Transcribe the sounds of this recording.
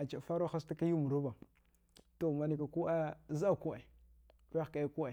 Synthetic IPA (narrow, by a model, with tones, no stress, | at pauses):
a˨t͡ʃa˨fa˦ɾo˦xa˦sta˦ka˦ju˦mu˨ɾu˦ba˨ | to˦˨ma˨ni˦ka˨ku˦a˦za˦˨ku˦a˨˦ | a˦˨ka˨˦ku˦a˨